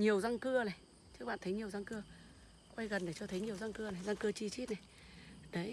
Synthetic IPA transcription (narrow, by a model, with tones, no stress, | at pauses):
ɲi˨˩əwza˧ŋkɨ˧əna˨˩j | t͡ɕɨ˦˥k̚ɓa̰ː˧˨nt̪ʰjɲi˨˩əwza˧ŋkɨ˧ə | kwa˧jɣə˨˩nɗe˨˩t͡ɕɔ˧t̪ʰə˨˦jɲi˨˩əwza˧ŋkɨ˧əna˨˩jza˧ŋkɨ˧ət͡ɕi˧t͡ɕi˦˥t̚na˨˩j | nə˨˦